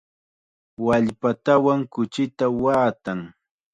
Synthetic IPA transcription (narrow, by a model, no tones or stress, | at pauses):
waʎpat̪awaŋkʊt͡ʃɪt̪awaːt̪aŋ